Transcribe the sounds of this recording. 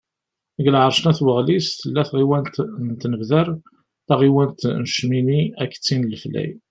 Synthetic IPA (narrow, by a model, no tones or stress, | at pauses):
ɡlʕəɾˤʃnæθwəʁlisθəlːæθʁiwænt̪nt̪nəvðəɾ | θæʁiwænt̪nəʃminiækːt͡sːinlflæ̰j